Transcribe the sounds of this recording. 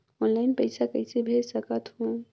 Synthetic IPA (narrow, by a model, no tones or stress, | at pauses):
ɔnlaɪnpəɪsakəɪsebʱed͡ʒsəkət̪ɦu